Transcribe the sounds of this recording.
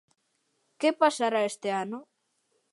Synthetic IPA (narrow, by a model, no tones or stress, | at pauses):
kepasaɾaest̪ɪanʊ